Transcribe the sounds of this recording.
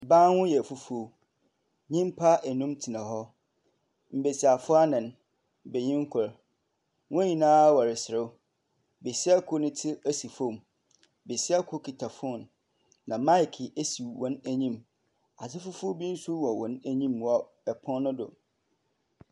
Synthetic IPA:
bãː˦nwʊ̃˦jɛ˨fu˦fu˦o˦ | ɲĩ˦m˦pʰa˦ʔɛ˨nũ˦mtʰi˨nã˨ɦɔ˦ | m̩˨be˨si˨a˨fʊ˦a˦nɪ̃˨n | be˨ɲĩ˦ŋ˦kʰʊ˨ɾ | wʊ̃˦ɲĩ˨nãː˦wɔ˨ɾɪ˨sɪ˨ɾɪ˦ | be˨sɪ˦a˦kʰʊ˦nɪ̃˦tʰɪ˦æ˦si˨fõ˦˨m | be˨sɪ˦a˦kʰʊ˦kʰi˨tʰa˨fʊ˦˨nː | ã˨ma˦ɪ˨kʰɪ˨ʔæ˦si˨wɔ̃˨næ˦ɲĩ˦m | a˨sɪ˦fu˦fu˦o˦bĩ˦n̩˦sʊ˦wɔ˨wɔ̃˨næ˦ɲĩ˦mwɔ˦ | ɛ˨pʰɔ̃˦nʊ̃˦dʊ̰˨

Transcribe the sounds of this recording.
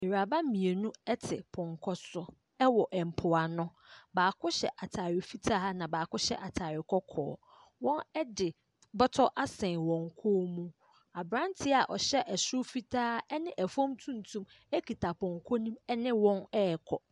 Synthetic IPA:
mi˨ɾa˨ba˦mĩ˨e˨nũ˦ɛ˦tʰɪ˨pʰɔ̃˨ŋkʰɔ˦sʊ˦ | ɛ˦wɔ˨ʔɛ˨m̩˨pʰʊ˨a˨nʊ̃˦baː˨kʰʊ˦ɕɛ̰˨ʔa˨tʰa˨ɾɪ˨fi˦tʰaː˦nã˨baː˨kʊ˦ɕɛ̰˦ʔa˨tʰaː˨ɾɪ˨kʰɔ˦kʰɔ̰ː˨˦ | wɔ̃˦nɛ˦dɪ˨ | bɔ˦tʰɔ˦ʔa˦sɛ̃˨wɔ̃˨ŋ˨kʰo˦mũ˦ | a˨bɾã˦ntʰɪ˦a˨ʔɔ˨ɕɛ˦ʔɛ˨sʊ˦fi˦tʰaː˦ɛ˦nɪ̃˦ʔɛ˨fɔ̃˦mtʰũ˦n˨tʰũ˦m | ɛ˦kʰi˨tʰa˨pʰɔ̃˨ŋkʰɔ˦nĩ˦mɛ˦nɪ̃˦wɔ̃˦nɛ˦˨kʰɔ˨

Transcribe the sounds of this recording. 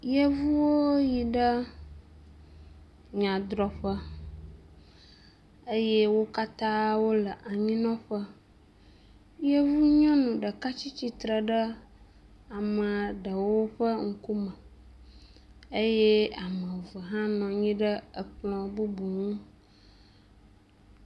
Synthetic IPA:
jə˦vu˦wo˦ji˨ɖə˦ | ɲã˨d̪ɾɔ˨ɸə˦ | ə˦je˦wo˦ka˦t̪ã˦wo˦lə˨ʔa˨ɲĩ˦nɔ̃˦ɸə˦ | jə˦vu˦ɲɔ̃˦nũ˨ɖə˨ka˦t͡ɕi˦t͡ɕi˦t̪ɾə˨ɖə˦ | a˨mə̃˨ɖə˨wo˦ɸə˦ŋ̩˦ku˦mə̃˨ | ə˦je˦a˨mə̃˨və˨ɦã˦nɔ̃˨ɲĩ˦ɖə˦ə˨k͡plɔ̃˨bu˦bu˨ŋũ˦

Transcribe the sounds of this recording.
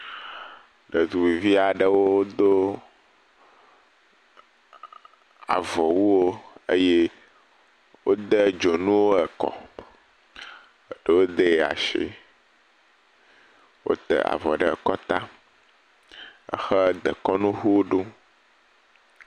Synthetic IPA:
ɖə˨d̪u˨wi˨vi˦a˨ɖə˦wo˦wo˦d̪o˦ | a̰˨vɔ˨wu˦wo˦ə˦je˦ | wo˦d̪ə˦d͡ʒo˨nũ˦wo˦ɛ˨kɔ̰˨ | ɖə˨wo˦d̪ə˦˨a̰˨ʃḭ˦ | wo̰˦t̪ɛ̰˨a̰˨vɔ˨ɖə˦ɛ˨kɔ˦t̪a˦ | ə̰˦xə˦d̪ə˨kɔ˦nũ˦ɦu˦o˦ɖu˦

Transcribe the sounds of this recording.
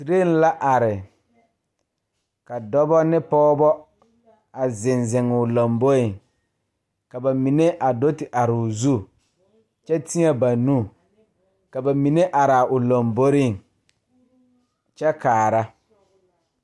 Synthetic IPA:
si˨ɾe˦n̩˦la˦ʔa˨ɾɪ˨ | ka˨dɔ˦bɔ˦nɪ˦pɔː˦bɔ˦ | a˨zɪ˨nzɪ˨ŋʊ˨lo˨mbo˦ɾɪ˦˨ŋ | ka˨ba˨mi˨ne˦ʔa˨do˦tɪ˨ʔa˨ɾɪ˨ʊ˨zu˦ | t͡ʃɛ˦ti˦a˦ba˨nu˦˨ | ka˨ba˨mi˨ne˦ʔa˨ɾa˨ʊ˨lo˨mbo˦ɾɪ˦˨ŋ˨ | t͡ʃɛ˦kaː˨ɾa˦

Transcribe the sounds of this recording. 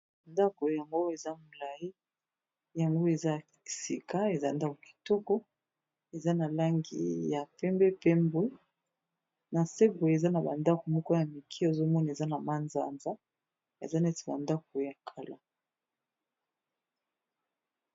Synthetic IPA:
nda˦ko˨ja˨ŋɡo˦e˨za˦mu˨la˨i˦ | ja˨ŋɡo˦e˨za˦˨i˨si˨ka˦e˨za˦˨nda˦ko˨ki̥˨to˦ko˦ | e˨za˦na˨la˦ŋɡḭ˦ja˨pɛ˦mbɛ˦pɛ˦mbwe˦ | na˨se˦bwe˨e˨za˦na˨ba̰˨nda˦ko˨mɔ˦kɔ˦ja˨mi˨kʰi˦˨zo˦mɔ˦n˨e˨za˦na˨ma˦nza̰˨nza˦ | ḛ˨za˦nɛ˦ti˨ba̰˨nda˦k̚o˨ja˨kʰa˨la̰˦

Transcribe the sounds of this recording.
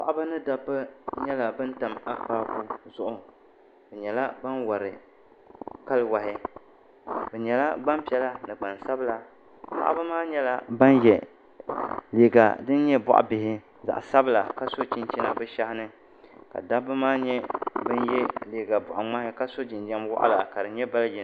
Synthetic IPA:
pa̰˨ʔa˦ba˦nɨ˦da˦bːɨ˦ɲɛ˦la˨bɨ˦n˦ta˨ma˦k͡paː˦ku˦zʊ˦ʔʊ˨ | bɛ˨ɲɛ˨la˦ba˦nwa˨ɾɪ˨ | ka˦lwa˨hɪ˦ | bɛ˨ɲɛ˨la˦ɡ͡ba˦mpi˨˦ɛ˦la˦nɨ˨ɡ͡ba˨nsa˦bɨ˦la˨ | pa̰˦ʔba˦maː˦ɲɛ˦la˦ba˦njɛ˨ | leː˨ɡa̰˨dɨ˦n˦ɲɛ˦bʊ̰˨ʔa̰˨bɪ˨hɪ˦ | za̰˨ʔa̰˨sa˦bɨ˦la˨ka˦so˦t͡ʃi˦nt͡ʃi˦na˨bɨ˦ʃa˦hɪ˦nɨ˦ | ka̰˨da˦bɨ˦maː˦ɲɛ˦bɨ˦njɛ˦leː˨ɡa˨bʊ˨ʔa˨ŋ͡ma˦hɪ˦ka˦so˦t͡ʃi˨nd͡ʒa˦mwɔ̰˦ʔa̰˦la˨ka˨dɨ˨ɲɛ˦ba˦ljɛ˨

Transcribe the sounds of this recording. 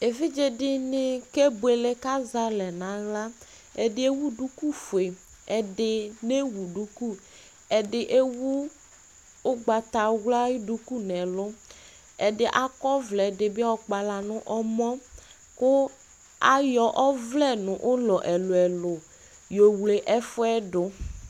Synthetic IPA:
e˨vɪ˦d͡ʒe˦dɪ˦nɪ˨ke˦bu˨e˨le˦ka˦za˦lɛ˨nã˨˦ɣla˦ | ɛ˨dɪ˦e˦wu˦du˦ku˦fu˨e˨ | ɛ˨dɪ˨ne˦wu˨ɖu˦ku˦ | ɛ˨dɪ˨ʔe˦wu˦ | ʊ˦ɡ͡ba˨t̪a˨ɣla˦i˦du˦ku˦nɛ̃˨lʊ˦ | ɛ˨dɪ˨˦ʔa˦kɔ˦vlɛ˨dɪ˨bɪ˦a˦wɔ˨k͡pa˨la˨nʊ̃˦ʔɔ˦mɔ̃˦ | kʊ˦ | a˦jɔ˨ʔɔ˦vlɛ˦˨nʊ̃˨ʔʊ˦lɔ˨ʔɛ˨lʊ˨ɛ˨lʊ˨ | jo˨wle˨ʔɛ˦fʊ˦ɛ˦ɖʊ˨

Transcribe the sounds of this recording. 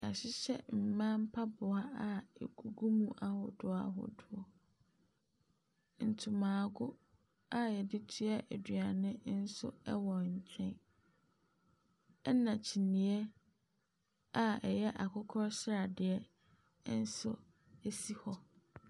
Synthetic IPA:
a˨ɕɪ˦ɕɛ̰˦m̩˨mã˦m̩˦pʰa˦bʊ˨a˦a˨ɛ̰˨ɡu˨ɡu˦mũ˦˨ʔa˦hʊ̰˨dʊ˨a̰˦ɦʊ̰˨dʊ˨ɔ˨ | n̩˨tʰʊ˨mãː˨ɡʊ˦ | a˦jɛ˨dɪ˦tʰu˦a˦ʔæ˨dɥa˨nɪ̃˦n̩˦sʊ̰˦ɛ̰˦wɔ˨ɲ̩˨t͡ɕʰɛ̃˦n | ɛ˦nã˨t͡ɕʰi˨nĩ˨ɛ˦ | a˦ɛ˨jɛ˦ʔa˨kʰʊ˦kʰɾɔ˦sɾa˨dɪ˨ɛ˦ | n̩˦sʊ˦ | e˦si˦hɔ˦

